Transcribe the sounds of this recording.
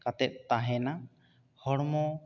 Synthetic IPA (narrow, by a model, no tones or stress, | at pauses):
kat̪ɛt̪̚ˀt̪aɦɛna | hɔɽmɔ